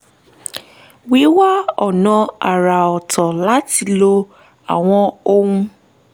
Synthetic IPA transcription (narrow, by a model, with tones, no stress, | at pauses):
wi˨˦wa˦ɔ˨nɔ̃˧a˨ɾa˨ɔ˨tɔ˨la˨˦ti˧lo˧ | a˨w̃ɔ̃˧o˦ŋũ˦